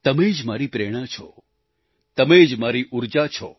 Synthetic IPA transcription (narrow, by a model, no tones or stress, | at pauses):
t̪əmed͡ʒmaɾipɾeɽ̃at͡ʃʰɔ̰ | t̪əmed͡ʒmaɾiʔuɾd͡ʒat͡ʃʰɔ̰